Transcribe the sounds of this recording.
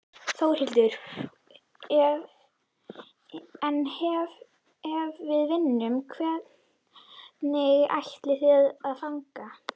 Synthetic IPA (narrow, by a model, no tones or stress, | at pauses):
θowɾ̥hɪlt̪ʏɾ̥ | ɛv | ɛnhɛv | ɛvːɪðvɪnːʏmkʰvɛt̪ | nɪɣa̰jht̪lɪθɪðaðfaŋka